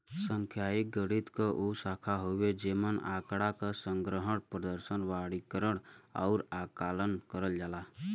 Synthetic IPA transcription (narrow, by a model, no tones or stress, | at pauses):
sə̃ŋkʰjaːik̚ɡəɽit̪kaʔusaːkʰaɦowed͡ʒemənaːkɽakasə̃ŋɡɾəɦəɽpɾəd̪əɾsənʋaɽikəɾəɽ̃ɔ̰ʊɾakaːlənkəɾəld͡ʒaːlaː